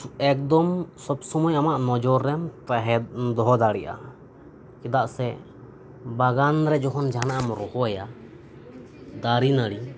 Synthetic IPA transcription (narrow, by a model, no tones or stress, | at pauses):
ɛk̚d̪ɔmsɔbsɔmɔjamaʔnɔd͡ʒɔɾːɛmt̪aɦɛd̪ɔɦɔd̪aɽiʔa̰ | kɛd̪aʔsɛ | baɡanɾɛd͡ʒɔɦɔnd͡ʒaɦanaʔamɔɾɔhɔɛja | d̪aɾinaɽi